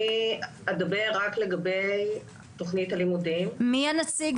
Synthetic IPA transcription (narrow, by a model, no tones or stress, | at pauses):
i | adabeʁʁakleɡabej | t̪oχnitalimudimmianat͡siɡ